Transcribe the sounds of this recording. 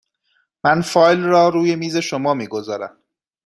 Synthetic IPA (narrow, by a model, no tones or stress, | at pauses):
mænfɒːjlrɒːɾuːje̞miːze̞ʃomɒːmiːɡozɒːɾæ̰m